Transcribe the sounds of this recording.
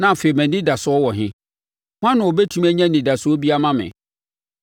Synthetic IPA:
nã˦˨fe˨mæ̃˨nĩ˦da˨sʊ˨˦ɔ˦wɔ˨ɦɪ̃˦ | hwã˦nʊ̃˨wo˨bɛ˦tʰu˦mæ˦ɲɛ̃˦nĩ˨da˨sʊ˦ɔ˦bi˦a˦mã˦mɪ̰̃˨

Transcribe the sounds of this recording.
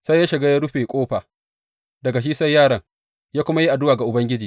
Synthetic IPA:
sa˦jːaː˦ʃɪ˨ɡaː˦jaː˦ɽʊ˦ɸeː˨kʷʼoː˦ɸaː˨ | dɐ˨ɡa˨ʃ̬iː˦sa˦jːaː˦˨ɽɐ˦ŋ | jaː˦kʷʊ˦ma˦ji˦ʔa˨dʊ˦waː˨ɡa˨ʔʊ˨bɐ˦ŋɡʲɪ˦d͡ʒiː˨

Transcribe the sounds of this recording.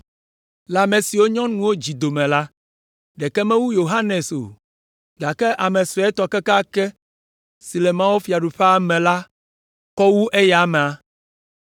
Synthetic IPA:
la˨mẽ˨si˨wo˦ɲɔ̃˦nũ˨wo˦d͡ʑi˨d̪o˨mɛ̃˨la˦ | ɖɛ˨kɛ˦mɛ̃˦wu˦jo˨ɦa˦ne˨so̰˨ | ɡa˨kɛ˦ʔa˨mɛ̃˨sɔ˨ɛ˦t̪ɔ˨ke˦ka˦kɛ˦ | si˨lɛ˨mã˦wo˦fi˨a˨ɖu˨ɸe˦a˨mɛ̃˨la˦ | kɔ˦wu˦ʔe˦ja˨mɛ˨a˨˦

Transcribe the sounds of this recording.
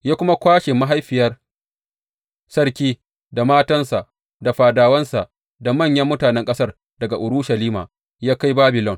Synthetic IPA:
jaː˦kʷʊ˦ma˦kʷaː˦ʃɪ˨mːa˦ɦa˦jɸɪ˨jɐ˦r | sɐ˦rkʲiː˦ | da˨maː˦tɐ˦nsa˨ʔ | da˨ɸaː˨daː˨wɐ˦nsa˨ʔ | da˨mɐ˦˨ɲjɐ˦mːʊ˦taː˨nɛ˦ŋkʼɐ˦sɐ˦r | dɐ˨ɡa˨ʔʊ˨ɽʊ˦ʃɐ˨liː˦ma̰ː˨ | jaː˦ka˦jbaː˦bɪ˨lɔ˨ŋ

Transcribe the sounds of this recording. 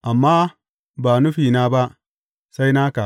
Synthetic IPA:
ʔa˨mːaː˦ | ba˨nu˦ɸiː˨na˦ba˦ʔ | sa˦jnaː˦ka˨

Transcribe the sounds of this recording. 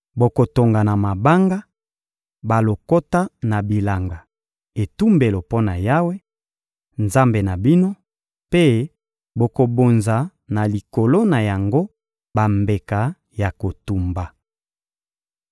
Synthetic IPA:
bo˨ko˨to˨ŋɡa˨na˨ma˨ba˦ŋɡa˦ | ba˨lo˨ko˦ta˦na˨bi˨la˨ŋɡa˨ | e˨tu˦mbe˨lo˨po˦na˨ja˦we˦ | nza˦mbe˨na˨bi˦no˦ | pe˦ | bo˨ko˨bo˨nza˨ | na˨li˨ko˨lo˦na˨ja˨ŋɡo˦ | ba˨mbe˨ka˨˦ | ja˨ko˨tu˨mba˨

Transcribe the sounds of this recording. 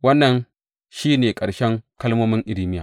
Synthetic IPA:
wɐ˦nːɐ˨n | ʃiː˦neː˨kʼɐ˨ɽʃɛ˦ŋkɐ˦lmoː˦mɪ˦ŋʔɪ˨lɪː˦mɪ˦jaː˨

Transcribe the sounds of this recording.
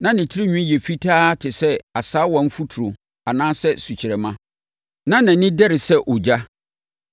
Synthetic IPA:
nã˦nɪ̃˨tʰɪ˦ɾi˦ɲᶣũ˦˨jɛ˨fi˦tʰaː˦tʰɪ˨sɛ˦a˨saː˦wɔ̃˨m̩˦fu˦tʰu˨ɾʊ˨ | a˨nãː˦sɛ˦su˨t͡ɕʰɪ˨ɾɛ˨mã˦ | nã˦nã˨nɪ̃˦dɛ˦ɾɪ˨sɛ˦ʔo˨d͡ʑa˦

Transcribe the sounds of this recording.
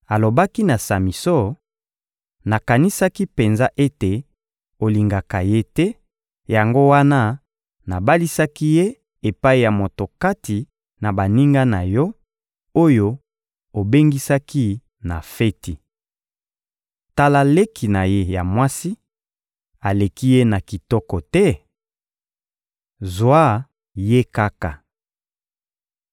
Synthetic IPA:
a˨lo˨ba˦ki˦na˨sa˨mi˨sɔ˦ | na˨ka˨ni˦sa˦ki˦pe˨nza˦ʔe˦te˨ | o˨li˨ŋɡa˨ka˨je˦tɛ˦ | ja˨ŋɡo˦wa˦na˦ | na˨ba˦li˦sa˦ki˦je˦ | e˨pa˦i˦˨ja˨mo˨to˨ka˦ti˨ | na˨ba˨ni˦ŋɡa˦na˨jɔ˦ | o˦jo˦ | o˨be˦ŋɡi˦sa˦ki˦ | na˨fɛ˦ti˨ | ta˦la˦le˦ki˨na˨je˦ja˨mwa˦si˦ | a˨le˨ki˦je˦na˨ki˨tɔ˦kɔ˨tɛ˦ | zwa˦ | je˦ka˦ka˨

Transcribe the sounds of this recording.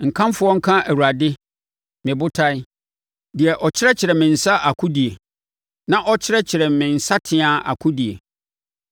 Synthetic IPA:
ŋ̩˨kʰã˦m˦fʊ˦ɔ̃˦ŋ̩˦kʰã˦ʔæ˨wu˨ɾa˨dɪ˦ | mɪ̃˨bʊ˦tʰa˦i˦ | dɪ˨ɛ˨ʔɔ˨t͡ɕʰɪ˦ɾɛ˦t͡ɕʰɪ˨ɾɛ˨mɪ̃˨n̩˨sa˦ʔa˨kʰu˦di˨e˨ | nã˦ʔɔ˦t͡ɕʰɪ˦ɾɛ˦t͡ɕʰɪ˨ɾɛ˨mɪ̃˨n̩˨sa˦tʰɪ̃˦ã˨a̰˨kʰʊ˦di˨ḛ˨

